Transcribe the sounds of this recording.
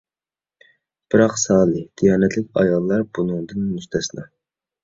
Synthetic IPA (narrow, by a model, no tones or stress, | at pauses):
b̥ɪɾɑqsɑːlˠɨd̪̥ijɑːnɛt̪ʰlɪkʲɑ̰jɑlˠːɑɾbunɨŋd̪ɨnmyst̪ʰɛsɪnɑ̰